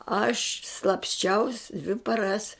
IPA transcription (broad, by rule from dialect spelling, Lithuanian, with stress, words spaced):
ɐʃ slˠɐpʲsʲˈt͡ʃʲɛʊs dʲʋʲɪ pɐˈrɐs